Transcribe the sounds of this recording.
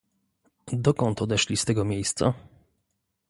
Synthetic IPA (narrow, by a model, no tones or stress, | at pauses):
d̪ɔkɔnt̪ɔd̪ɛʂlʲist̪ɛɡɔmʲjejst̪sa̰